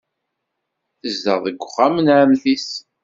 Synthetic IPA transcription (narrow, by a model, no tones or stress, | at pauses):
θəzd̪ə̰ʁðəɡʷːʊχːæmənamθis